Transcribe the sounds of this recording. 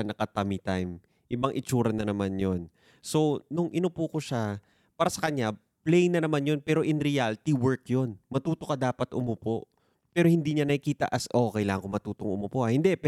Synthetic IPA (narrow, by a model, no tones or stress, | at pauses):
nɐkɐt̪ɐmit̪ajm | ʔɪbɐŋʔɪt͡ʃuːɾɐnɐnɐmanjo̞n | so̞nʊŋʔɪnʊpukoʃa | paːɾɐsɐkɐɲa | plɛjnɐnɐmanjo̞npɛːɾo̞ʔɪnɾɛjalt̪iwɛɹkjo̞nmɐt̪uːt̪okɐd̪aːpɐt̪ʔʊmʊpo̞ʔ | pɛːɾo̞hɪnd̪iːɲanɐkikiːt̪ɐ̰ʔɐsʔokɐjlaːŋɐŋkomɐt̪uːt̪oŋʊmopo̞ʔɐhɪnd̪ɛp